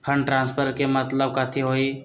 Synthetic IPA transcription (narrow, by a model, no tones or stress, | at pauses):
pʰə̃ɳɖʈɾãːnspʰəɾkemət̪ləb̚kaːt̪ʰiɦoːi